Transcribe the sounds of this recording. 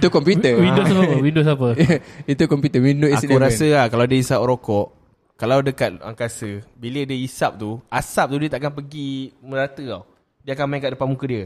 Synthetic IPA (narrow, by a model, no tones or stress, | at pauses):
it̪ukɔmpjut̪əwisdosapəwindos̬apəjit̪ukɔmpjut̪əwmindʊʔakdauɾasəakalawadiəisap̚ɾokɔʔ | kalawdəkat̪̚a̰ŋkasəbilədəisap̚t̪uasap̚t̪udiət̪aʔakanpəɡiməɾat̪əaw | diəakanmaɛŋkat̪̚dəpanmũkədiə